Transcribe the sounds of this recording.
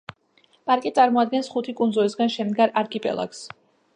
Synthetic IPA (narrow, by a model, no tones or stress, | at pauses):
pʼaɾkʼit̪sʼaɾmɔad̪̚ɡɛnsχut̪ʰikʼunzulisɡanʃɛmd̪ɡaɾaɾkʰʼipʼɛ̰lˠa̰ks